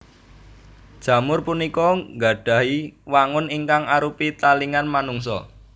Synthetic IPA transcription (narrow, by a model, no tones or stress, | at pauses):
d̥ʒ̥ä̤mʊrpunikɔŋɡa̤ɖ̥ä̤ɦiwaŋʊniŋkaŋaɾupit̪aliŋanmanuŋsɔ̰